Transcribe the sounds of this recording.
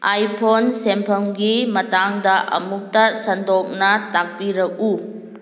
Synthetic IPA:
ʔajpʰonsempʰɐmɡimɐtaŋdɐʔɐ̰muk̚tɐsɐndɔk̚nɐtak̚piɾɐk̚u

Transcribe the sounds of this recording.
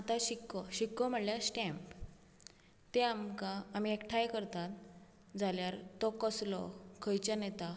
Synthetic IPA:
at̪aɕikɔɕikːɔm̤əɽljasʈɛ̃mp | t̪eamkaːm̤iekʈʰajkəɾt̪at̪ | d͡zʱaljaɾt̪ɔkəslɔ̰kʰəjt͡ɕanɛt̪a

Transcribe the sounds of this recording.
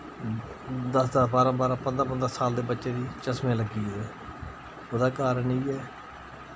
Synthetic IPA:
d̪əsd̪aːbaːɾãːbaːɾãːpənd̪ɾpənd̪ɾasaːld̪eːbətːʃeːd̪iːt͡ʃəsmẽːləɡiːɛː | oːd̪aːkaːɾəniːɛː

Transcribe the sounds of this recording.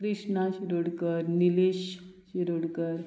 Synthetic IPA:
kɾiʂɳaɕiɾoɽkəɾnileɕɕiɾoɽkəɾ

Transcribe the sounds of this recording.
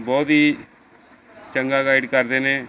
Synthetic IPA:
bɔːt̪ɦiː | t͡ʃəŋɡaːɡaːɪɖkəɾd̪eːnẽː

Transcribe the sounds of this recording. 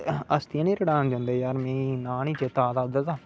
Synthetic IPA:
əst̪ijãːnĩːɾəɽaːnd͡ʒãːnd̪aːjaːɾmɛ̃ːnaːnĩːt͡ʃet̪aːt̪aːd̪ət̪aː

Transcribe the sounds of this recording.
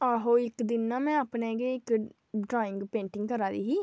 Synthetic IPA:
aːɦoːɪkd̪ɪnːãːmɛ̃ːapnẽːɡeːɪk | ɖɾaːɪ̃ŋɡpẽːɳʈɪŋɡkəɾaːd̪ḭːɦiː

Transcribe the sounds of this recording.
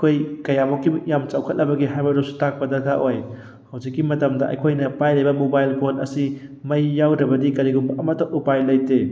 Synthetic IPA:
ɐkʰojkɐjamɔkːijamt͡ʃawkʰɐt̚lɐbɐɡiɦajbɐɾosu̥tak̚pɐdɐɡʰaʔoj | hɐwd͡ʒikːimɐtɐmdɐʔɐ̰jkʰojnɐpajlɐjbɐmobajlkonɐ̰simɐjːawdɐbɐdikɐɾiɡuŋbɐʔɐmɐtːɐʔupajlːɐjte

